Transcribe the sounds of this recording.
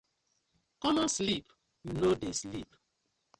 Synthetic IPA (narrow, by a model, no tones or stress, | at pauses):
kɔmɔslip | junodeslḭp